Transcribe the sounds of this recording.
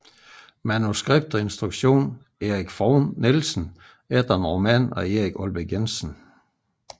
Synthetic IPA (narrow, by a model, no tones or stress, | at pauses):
mænusɡ̥ʁeb̥̚d̥ɒe̝nsd̥ʁuɡ̥ɕo̝̰ːn | e̝ːʁiɡ̥fɒʊnːelsn̩ | ed̥ɐnʁo̝mɛ̰nɒ̽e̝ːʁiɡ̥ɔlb̥əɡ̥ensn̩